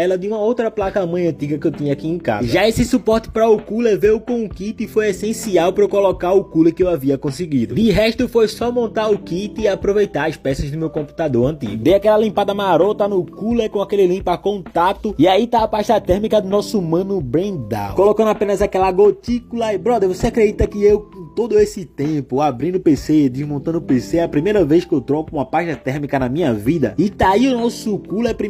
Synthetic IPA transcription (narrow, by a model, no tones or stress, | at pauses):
ɛlɐd̪ɪũmɐowt̪ɾɐplakɐmɐ̃j̃ɐ̃nt̪iɡɐkɪewt̪ĩɲɐakiẽka̰zɐʒaesɪsupɔɾt̪ɪ̥pɾɐʊkulevewʊkõw̃ʊkit̪ɪɪfojesẽsiawpɾekolokaɾʊkulekɪewaviɐkõseɡid̪ʊd̪ɪɦɛʃt̪ʊfojsɔmõnt̪aɾʊkit̪ɪːapɾovejt̪aɾɐspɛsɐzd̪ʊmewkõmpu̥t̪ad̪oɾɐ̃nt̪ḭɡʊd̪ejakɛlɐlĩmpad̪ɐmaɾot̪ɐnʊkulekõakelɪlĩpakõt̪at̪ʊɪait̪aɐpaʃt̪ɐt̪ɛɾmikɐd̪ʊnɔsumɐ̃nʊbɾẽd̪a̰kolokɐ̃d̪ʊapẽnɐzakɛlɐɡot̪ikulɐɪbɾɔd̪eɾvoseakɾed̪it̪ɐkɪewkõt̪od̪ʊesɪt̪ẽpʊabɾĩnd̪ʊpeseɪd̪ɪzmõnt̪ɐ̃nd̪ʊpeseɛɐpɾimejɾɐvejskɪewt̪ɾɔkʊũmɐpaʃt̪ɐt̪ɛɾmikɐnɐmĩɲɐvid̪ɐɪt̪aiʊnɔsʊkulɛpɾi